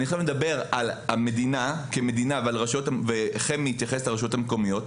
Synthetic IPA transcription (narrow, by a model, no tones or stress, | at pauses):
nioemed̪abe̞ʁalame̞d̪inakeme̞d̪inavealʁaʃotaveχemiːt̪jaχestaʁaʃajo̞thameko̞mijo̞t